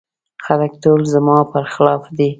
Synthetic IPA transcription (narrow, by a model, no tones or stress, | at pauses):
xalak̚t̪olzəmɑpəɾxɪlɑfd̪i